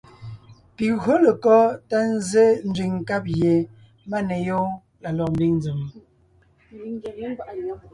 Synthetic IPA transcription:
pi˨ɣɰo˦le˨kɔ˦ta˦n̩˦ze˦n̩˦d͡zɥi˨ŋŋ̩˨ka˦p̚ɣje˨ | ma˦ne˨jɔ˦ | la˨lɔ˨m˦bi˦ŋn˦d͡zɨ˨m˨

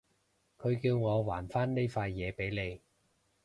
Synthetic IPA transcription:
kʰɵ˨˧ɥkiː˧wŋɔː˨˧waː˨˩nfaː˥nne˥jfaː˧jːɛː˨˧pe˨˥jle˨˧j

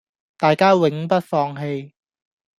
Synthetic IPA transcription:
t̪aː˨jkaː˥wɪ˨˥ŋpɐ˥t̚fɔː˧ŋɦe˧j

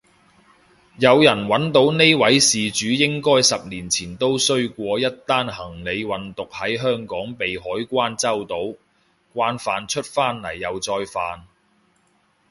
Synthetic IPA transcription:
jɐ˨˧wjɐ˨˩nwɐ˨˥nt̪o˨˥wne˥jwɐ˨˥jsiː˨t͡ʃyː˨˥jɪ˥ŋkɔː˥jsɐ˨p̚niː˨˩nt͡sʰiː˨˩nt̪o˥wsɵ˥ɥkʷɔː˧jɐ˥t̚t̪aː˥nhɐ˨˩ŋle˨˧jwɐ˨nt̪ʊ˨k̚hɐ˨˥jɦœː˥ŋkɔː˨˥ŋpe˨jɦɔː˨˥jkʷaː˥nt͡sɐ˥wt̪o˨˥w | kʷaː˥nfaː˨˧nt͡ʃʰɵ˥t̚faː˥nlɐ˨˩jːɐ˨˧wt͡sɔː˧jfaː˨n

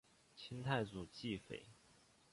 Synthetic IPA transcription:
t͡ɕʰi˥nt̪ʰa˥˩ɪt͡su˨˩t͡ɕi˥˩fḛ˨˩˦ɪ

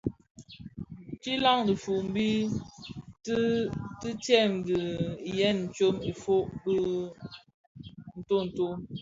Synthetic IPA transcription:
t͡ʃi˦la˦ŋdi˨fu˨ʔm̩˨˦bi˦ | tti˦tjɛ˦˨mdi˨jɛ˦n̩˨t͡ʃo˦me˨fo˦ʔbə˦ | n̩˨to˦˨n̩˨to˦

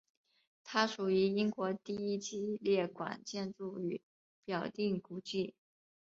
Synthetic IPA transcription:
t̪ʰa˥ʂu˨˩y˧˥i˥ŋkwɔ˧˥t̪i˥˧i˥˩t͡ɕi˥ljɛ˥˩kwa̰˨˩nt͡ɕjɛ˥˧nʈ͡ʂu˥˩y˧˥˦ | pjɑ˨˩ʊt̪i˥˩ŋku˧˥t͡ɕi˥˩

